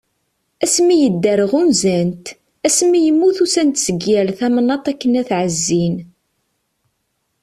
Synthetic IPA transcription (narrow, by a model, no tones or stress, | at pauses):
æsmːijəd̪ːæɾəʁunzænt̪ | æsmːijəmːuθusænt̪səɡjælθæmənːɑt̪ˤækːənæθʕəzːin